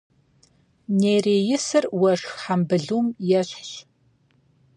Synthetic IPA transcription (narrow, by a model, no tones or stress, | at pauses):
neːreːjɪsɨrwɐʂxħambɨɮumjɛɕʷɕ